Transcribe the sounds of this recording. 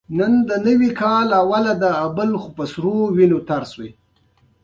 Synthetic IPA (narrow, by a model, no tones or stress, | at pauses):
nənd̪ənəwikɑlawalad̪əabəlxʊpəsɾowinot̪aɾswe